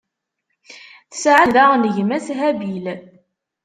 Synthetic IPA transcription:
θə̥sʕəðanəʝmæsɦæbil

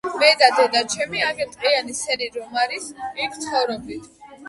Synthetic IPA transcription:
mɛd̪ad̪ɛd̪at͡ʃʰɛmiaɡɛt̪ʼqʼianisɛɾiɾɔmaɾisikʰt̪sʰχɔvɾɔb̚d̪it̪ʰ

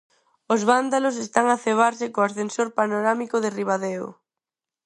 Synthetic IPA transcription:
ʊzβand̪alʊs̬est̪aŋaθeβ̞aɾsɪkoasθensoɾpanoɾamikʊðɪriβaðeoʊ̰

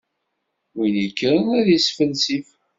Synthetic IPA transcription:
winəkːɾənæðjəsfəlsif

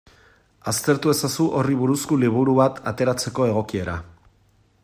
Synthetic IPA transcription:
ast̪e̞ɾt̪ue̞sasuʔo̞riβ̞uɾuskuliβ̞uɾuβat̪ʰat̪e̞ɾat͡se̞ko̞e̞ɣo̞kie̞ɾa̰

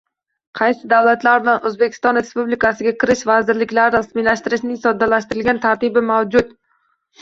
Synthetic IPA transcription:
qʰɑjsɪd̪awlat̪laɾnanʔɵzbe̞kʲʰɪ̥st̪ɒnɾe̞spublɪkʰasɪɡʲakʲɪɾɪʃvazɪɾlɪkʲlaɾɪɾasmilaʃt̪ɪɾɪʃnɪŋsɒd̪ːalaʃt̪ɪɾɪlɡʲant̪ʰaɾt̪ɪbɪmawd͡ʒʊt̪

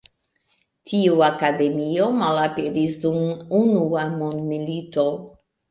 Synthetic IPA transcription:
tʰiuakade̞mio̞malapeɾisdumunuamondmilito̞

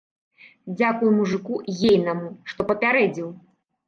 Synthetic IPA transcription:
d͡zʲakujumuʐɨkujejnɐmuʂt̪ɔpɐpʲaɾɛd͡zʲiw

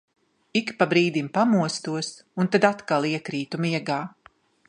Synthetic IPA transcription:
ikpabɾiːd̪impamuɔst̪uɔs | unt̪ad̪at̪kalˠiɛkɾiːt̪umiɛɡaː

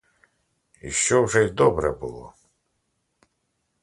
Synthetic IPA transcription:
ḭʃt͡ʃɔwʐɛjd̪ɔbɾɛbulˠɔ̰

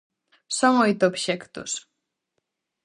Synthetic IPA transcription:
sɔ̃ŋɔjt̪obɕɛkt̪ṵs

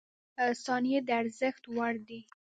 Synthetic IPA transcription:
sɑnijed̪əaɾzəxt̪waɽd̪i

